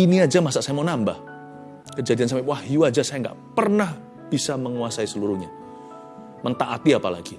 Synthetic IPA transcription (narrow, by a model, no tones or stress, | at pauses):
iniad͡ʒamasaʔsajamanambah | kəd͡ʒadians̬ampeʔwahiwad͡ʒasajaŋɡa̰ʔpərnah | b̥isaməŋuasaisəluɾuhɲa | mənt̪aʔat̪iapala̰ɡi